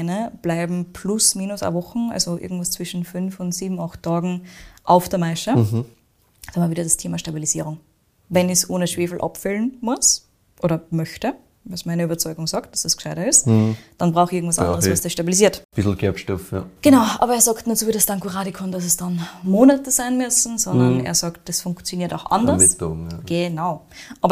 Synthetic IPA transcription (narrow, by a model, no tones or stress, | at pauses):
ɪnəb̥laɪbm̩pʰlʊsmiːnʊsa̰vɔxn̩ʔa̰lzoʔɪ̰ɐɡŋ̩tv̥ast͡sv̥ɪʃn̩fʏnfʊntsiːbm̩axtʰːɑːɡŋ̩ʔaʊfd̥eːɐmaɪʃə | samaviːɾɐdɐstʰeːmɐʃtabiliz̥iːʁʊŋ | vɛnɪçsʔoːnəʃv̥eːfl̩ʔa̰pfɛlnmʊs | ʔoːɾɐmœçtə | vɑsmaɪnəyːbɐt͡sɔʏɡʊŋsɑːkt̚d̥asd̥askʃaɪɾɐɪstd̥anbʁaʊxɪɐŋ̩tv̥asɑ̰nddəʁəsvasd̥ɪʃtabiliziːɐtb̥ɪsl̩ɡʰɛɐpʃtɔfa̰ɡ̥ənaʊʔɑ̰ːbɐeːɐzɑːktnuːɐt͡suviɐdəstaŋkʰuʁaːdikʰɔndas̬ɛsd̥ɑnmoːnatəzaɪnmʏsn̩zɔnndɐnḛːɐzɑːkt̚d̥asfʊ̃ŋkt͡sjoniːɐtaʊxʔa̰ndɐsoɡ̥ənaʊ | ʔɑːbɐ